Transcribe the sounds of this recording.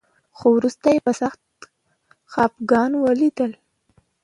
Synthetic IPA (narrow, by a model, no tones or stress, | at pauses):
xowɾust̪ajepəsaxt̪ | xɑpɡɑnwəlid̪əl